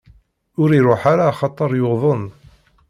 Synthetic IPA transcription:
ʊɾiɾˤoħaɾaːχɑt̪ˤːəɾˤjoðˤən

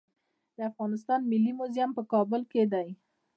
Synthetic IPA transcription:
d̪əafɣɑnɪs̬t̪ɑnmɪlːimʊzjampəkɑbʊlked̪aj

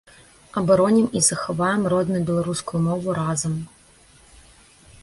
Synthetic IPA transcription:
ɐbɐɾɔnʲimizɐxɐvajɛmrɔd̪nʊjbʲɛlˠɐɾuskʊjʊmɔvʊɾazɐm

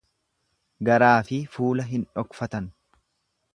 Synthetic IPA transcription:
ɡɐɾaːfɪfuːlɐɦɪnᶑɔkfɐt̪ɐn

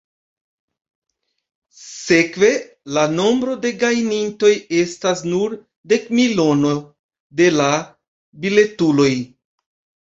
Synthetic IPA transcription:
se̞kve̞ | lano̞mbɾo̞de̞ɡajninto̞je̞stasnuɾ | de̞kmilo̞no̞ | de̞la | bile̞tulo̞j

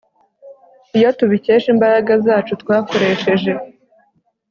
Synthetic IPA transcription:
ijotuβice̞ːʃimbaɾaɡazaːt͡ʃutwaːko̞ɾe̞ːʃe̞ʒe̞

